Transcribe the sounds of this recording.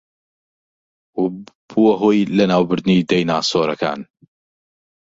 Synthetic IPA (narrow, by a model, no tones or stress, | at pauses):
buwɐɦoːjlɐnaːwbɨɾd̪niːd̪ɐjnaːsoːɾɐka̰ːn